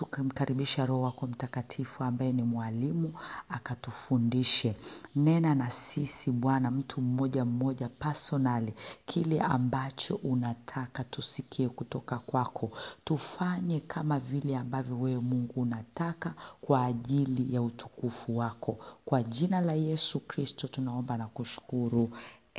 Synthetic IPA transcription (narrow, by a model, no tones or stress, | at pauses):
tukim̩kaɾiɓiʃaɾɔwakɔm̩takatʰifuambajɛnimwalimuakatufundiʃɛnɛnanasisiɓwanam̩tʰum̩mɔʄam̩mɔʄapasɔnalikʰilɛʔambat͡ʃɔʔunatʰakatusikʰiɛkutɔkakwakʰɔtufaɲɛkʰamavilɛambavjɔwɛwɛmuŋɡuːnatakakwaːʄilijautu̥kufuwakʰɔkwaʄinalajɛsukɾistɔtunaɔmbanakuʃu̥kuɾu